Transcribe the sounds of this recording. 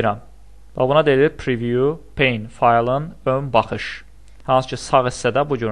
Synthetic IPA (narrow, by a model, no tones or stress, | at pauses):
ɾæm | væ̰bunɑd̪ed̪iɾpʰɾivjupʰejnfɑjlˠɯnønbɑχɯʃ | hɑnsɯ̥cʰɯsɑɣisːæd̪æbuɟyn